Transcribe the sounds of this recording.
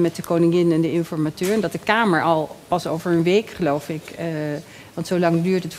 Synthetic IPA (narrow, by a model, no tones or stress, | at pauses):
mɛt̚dəkownɪŋɪnɛndəɪnfɔɹmatøːɹəndɑt̚dəkaːməɹʔɑlˠpɑsowvəɹənʋejkχəlowfɪk | ʋɑntsowlɑŋdyːɹtɦətf